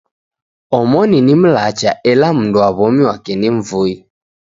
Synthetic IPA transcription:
ɔmɔninim̩lat͡ʃaʔɛlam̩nduaβɔmiwakɛniɱ̩vui

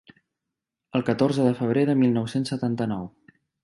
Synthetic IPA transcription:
əlˠkət̪oɾzəðəfəβ̞ɾeðəmilˠnɔwsensət̪ant̪ənɔw

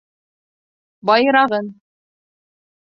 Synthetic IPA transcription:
bɑjɤ̆ɾɑʁɤn

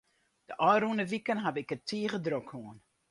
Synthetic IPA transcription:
d̥əʔɔjɾunəʋikənɦabɪkətʰiəχədrokhuən

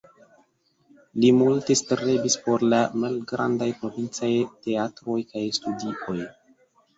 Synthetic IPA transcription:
limulte̞stɾebispo̞ɾlamalɡɾandajpɾo̞vint͡sajte̞atɾo̞jkajstudiʔo̞j

